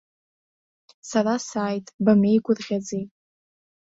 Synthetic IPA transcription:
saɾasaːjtʼbame̞jɡʷʼʊrʁʲad͡zejʼ

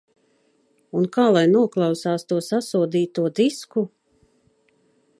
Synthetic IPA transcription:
unkaːlˠajnuɔklˠɑwsaːst̪uɔsasuɔd̪iːt̪uɔd̪isku

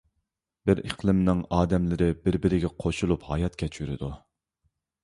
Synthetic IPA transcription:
b̥ɪɾə̰qlˠɨmnɪŋɑːd̪ɛmlɪɾɪbɪɾbɪɾɪɡʲɛqʰoʃulˠuphɑ̰jɑt̪kʲʰɛt͡ʃʰyɾɪ̰d̪u

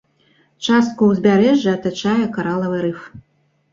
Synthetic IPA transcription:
t͡ʂast̪̚kuwzʲbʲaɾɛʐːɨɐt̪at͡ʂajɛkaɾalˠɐvɨɾɨf

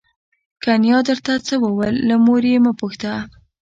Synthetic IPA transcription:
kanjɑd̪əɾt̪at͡səwəwəlːamoɾeməpuxt̪a

